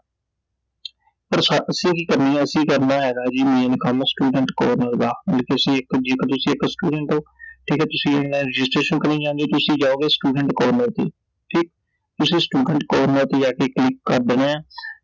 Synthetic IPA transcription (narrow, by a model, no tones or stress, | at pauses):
pəɾsaʔəsĩːkiːkəɾniːɛ̃ːəsĩːkəɾnaːɦɛːɡaːd͡ʒiːmẽːnkəmsʈuːɖəɳʈkɔːɾnəɾd̪aːəlːkeəsĩːɪkd͡ʒeːkːt̪ʊsĩːɪksʈuːɖəɳʈoːʈʰiːkɛːt̪ʊsĩːɪnlaːnɾɪd͡ʒɪsʈɾeːʃənkəɾniːd͡ʒãːnd̪oːt̪ʊsĩːd͡ʒaːoːɡeːsʈuːɖəɳʈkɔːɾnəɾt̪ḛː | ʈʰiːk̚ | t̪ʊsĩːsʈuːɖəɳʈkɔːɾnəɾt̪eːd͡ʒaːkeːklikːəɾd̪enɛ̃ː